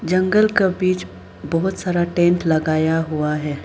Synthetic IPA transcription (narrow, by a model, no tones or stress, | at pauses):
d͡ʒɐ̃ŋɡəlkabiːt͡ʃ | bɐɦʊt̪saːɾaʈẽːɳʈlɐɡaːjaɦuaɦɛː